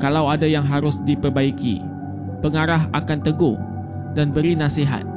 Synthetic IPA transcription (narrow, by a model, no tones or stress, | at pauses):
kalawadajaŋɦaɾʊsdipərbaikḭ | pəŋaɾaɦakant̪əɡo | danbəɾinasiɦa̰t̪̚